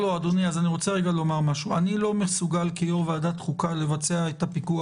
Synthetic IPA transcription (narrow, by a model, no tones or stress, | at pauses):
load̪o̞niazaniʁo̞t͡seʁeɡalo̞maʁmaʃuanilo̞mesuɡalkijoveadat̪χukale̞vat͡se̞aet̪apikua